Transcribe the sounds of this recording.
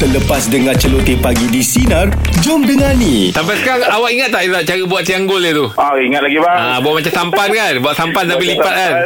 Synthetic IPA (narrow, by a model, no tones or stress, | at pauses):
t̪ələpasdəŋãnt͡ʃəlot̪ipaɡidisinard͡ʒʊmdəŋanĩt̪ampasəkaɾaŋawaʔiŋat̪̚ːaʔit̪aʔt͡ʃaɾəbuat̪̚siaŋɡʊlet̪uaiŋat̪̚laɡibaabuat̪ʔ̚mat͡ʃamsampankanbuat̪̚sampanlapilipat̪̚kan